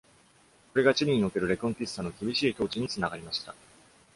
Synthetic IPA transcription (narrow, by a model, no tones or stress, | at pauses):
ko̞ɾe̞ɡat͡ɕiɾʲiɲ̟io̞ke̞ɾɯ̟ɾe̞kõŋpʲisːano̞kʲibʲiɕiːt̪o̞ːt͡ɕiɲ̟it͡sɨnaɡaɾʲimaɕi̥t̪a̰